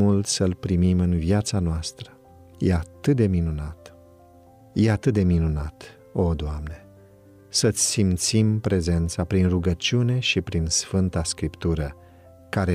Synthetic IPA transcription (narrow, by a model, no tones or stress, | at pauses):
ult̪səlpɾimimɨnviat̪sanoast̪ɾə | jeat̪ɨt̪̚d̪e̞minunat̪ | jeat̪ɨt̪̚d̪e̞minunat̪ | o̞d̪oamne̞ | sət̪sʲsimt̪simpɾe̞ze̞nt̪sapɾinruɡət͡ʃiune̞ʃipɾinsfɨnt̪askɾipt̪uɾə | kaɾe